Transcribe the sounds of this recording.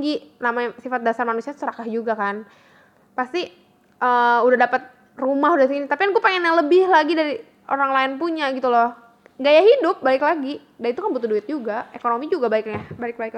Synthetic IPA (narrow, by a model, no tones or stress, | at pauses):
ɡinamasifat̪̚dasarmanusiḁsəɾakahd͡ʒuɡakan | past̪i | ʔəːudahdapət̪̚ | rumahudahtinit̪apikanɡuɛpeŋɛnjaləbɪhlaɡidaɾi | o̰ɾaŋlaɪnpuɲaɡit̪ulɔh | ŋɡajaɦidʊp̚baɪklaɡi | danit̪ukanbut̪ʊhduɪt̪̚d͡ʒuɡaekonomid͡ʒuɡabaɪkabaɪk̚baɪk